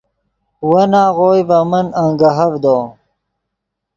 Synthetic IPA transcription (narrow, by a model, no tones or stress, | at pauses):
wɐnaːɣoːjbɐmɐnaŋɡɐɦɐvd̪oː